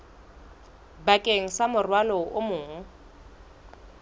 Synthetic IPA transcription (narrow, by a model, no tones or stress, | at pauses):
bakʼeŋ̩samʊrwalɔʊmʊːŋ̩